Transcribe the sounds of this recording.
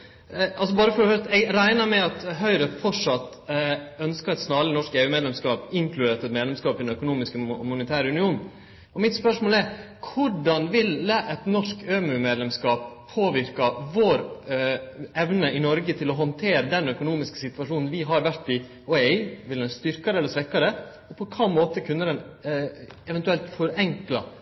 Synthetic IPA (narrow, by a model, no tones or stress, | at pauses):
ɑls̬ɔbɑːɾəfɔɾɛhœt̪ɛɡɾæɪnɑmɛɑt̪ɦœʏɾəfɔʂɑt̪ | œnskɑɛɪt̪snɑːlənɔʂkeːʉːmeːd̪lɛmskɑːpɪŋklʉd̪eːt̪ɛt̪meːd̪lɛmskɑːpɪd̪nœkʊnuːmɪskəmʊnət̪ʰæːɾəʉnɪuːn | ɔmɪt̪spœʂmoːlɛɾ | kʰʊɖɑnʋɪləʔɛt̪nɔʂkøːmʉmeːd̪lɛmskɑːpʰːoːʋɪɾkɑʋoːɾ | ɛʋnəɪnɔɾɡət̪ʰɪlɔɦɔnt̪ʰeːɾəd̪ɛnœkʊnuːmɪskə̥sɪt̪ʋɑʂuːnn̩ʋɪɦɑɾʋæɾʈ̪ːɪ | ɔɛɪʋɪld̪ɛnst̪ʏɾkɑɾəɛlːəɾsʋɛkːɑɾə | ɔpʰɔkʰɑːmoːt̪əkʰʉnːəd̪ɛn | ɛʋɛnt̪ʉɛlt̪fɔɾɛŋklɑ